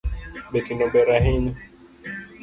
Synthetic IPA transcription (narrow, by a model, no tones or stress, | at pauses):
bɛtinɔmbɛɾaɦiɲɔ